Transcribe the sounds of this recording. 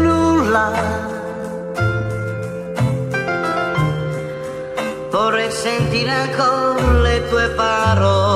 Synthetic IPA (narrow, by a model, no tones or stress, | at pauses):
nulːa | pɔɾesent̪iɾaŋkolet̪uepaɾo